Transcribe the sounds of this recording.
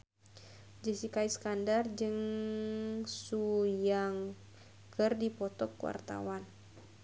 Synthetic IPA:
d͡ʒəsikaiskandard͡ʒɨŋ | sujaŋ | kərdipɔt̪ɔkːwa̰rt̪a̰wan

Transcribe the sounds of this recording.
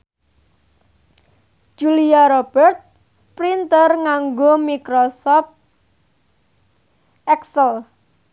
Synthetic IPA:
ʒ̥uliaɾɔb̥ɛrt̪̚ | pɾint̪ərŋaŋɡomikɾɔsɔf | ɛksəl

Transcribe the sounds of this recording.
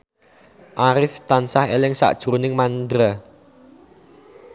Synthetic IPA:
ʔaɾɪft̪ansahelɪŋsa̰ʔd̥ʒ̥ɾunɪŋmand̪ɾa

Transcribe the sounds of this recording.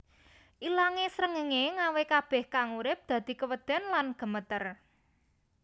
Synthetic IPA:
ʔilaŋesɾəŋəŋeŋawekab̥ɛ̤hkaŋuɾɪp̚d̪̥ä̤d̪̥i̤kəwəd̪̥ɛ̤nlanɡ̥ə̤mət̪ər

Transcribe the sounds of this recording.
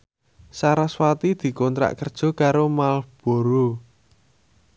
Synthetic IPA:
saɾaswat̪id̪̥i̤kɔnt̪ɾa̰ʔkərd̥ʒ̥ɔ̤kaɾomalb̥o̤ɾo

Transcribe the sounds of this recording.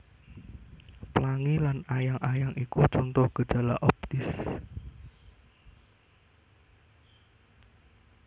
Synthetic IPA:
plaŋilanajaŋʔajaŋʔikut͡ʃɔnt̪ɔhɡ̥ə̤̥ʒ̥a̤la̰ʔɔp̚t̪ɪs

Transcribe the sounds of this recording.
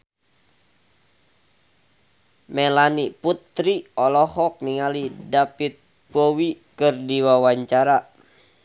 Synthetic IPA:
mɛlaniput̪ɾiɔlɔhɔk̚niŋalidapit̪̚ | powikɨrdiwawaɲt͡ʃaɾa

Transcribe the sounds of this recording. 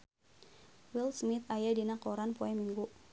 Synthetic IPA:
wilsmɪt̪ajadinakoɾanpoɛmiŋɡu

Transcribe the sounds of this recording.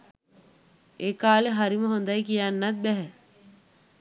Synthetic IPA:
eːkaːleɦaɾiməɦond̪ajkijanːat̪̚bɛɦɛ

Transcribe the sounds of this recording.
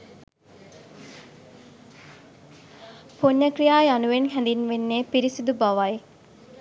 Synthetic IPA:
poɲːəkɾijaːjanuʋenɦɛnd̪inʋenːeːpiɾisid̪ubaʋaj

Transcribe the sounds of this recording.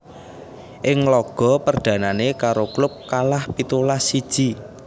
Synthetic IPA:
ʔɪŋlɔɡ̥ɔ̤pərd̪̥ä̤nanekaɾoklʊp̚kalahpit̪ulasid̥ʒ̥i

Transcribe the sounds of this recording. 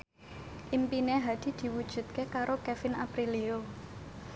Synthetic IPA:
ʔimpineɦad̪̥i̤d̪̥i̤wud̥ʒ̥ṳt̪̚kekaɾokɛfɪnapɾilio

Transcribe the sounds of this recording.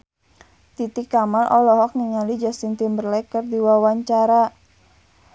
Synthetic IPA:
t̪it̪ikːamalʔɔlɔɦɔk̚niŋalid͡ʒast̪int̪imbərlɛkərdiwawaɲt͡ʃaɾa

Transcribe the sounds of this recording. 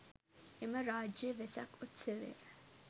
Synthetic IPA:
ʔeməɾaːd͡ʒiʋesɐ̰kut̪seʋḛː

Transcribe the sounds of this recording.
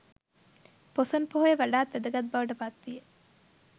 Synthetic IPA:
posɐnpoɦojeʋɐɖaːt̪ʋed̪ɐɡɐt̪̚bɐʋɐʈɐpat̪ʋije

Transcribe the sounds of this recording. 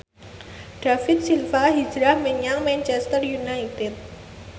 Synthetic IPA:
ɖ̥afɪt̪̚silfaɦi̥d͡ʒɾahməɲaŋmɛnt͡ʃɛst̪ərjunait̪ɪt̪̚

